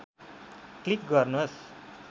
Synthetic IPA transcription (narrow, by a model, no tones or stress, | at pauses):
klik̚ɡʌrnus